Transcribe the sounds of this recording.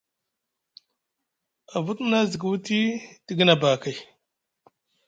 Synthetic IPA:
a˨vu˦tna˦zi˨ɡu˦wti˦ti˦ɡi˦na˨ba˨ka˨j

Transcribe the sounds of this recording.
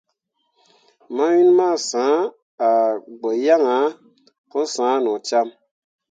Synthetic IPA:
ma˦wi˦nma˦˨sã˨˦ | a˨ɡ͡bə˨ja˦ŋa˨˦ | ko˦sãː˨˦nɔ̃˨t͡ʃa˦m

